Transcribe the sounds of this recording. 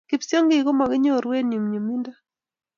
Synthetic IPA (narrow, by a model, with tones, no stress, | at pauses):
ki˨pso˦ŋɡɪ˨ɡo˦ma˨ɡɪ˦ɲo˦˨ɾwe˦nɲo˨mɲo˨mi˦nda˦